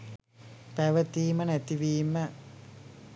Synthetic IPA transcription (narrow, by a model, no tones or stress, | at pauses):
pɛʋɐt̪iːmənet̪iʋiːmə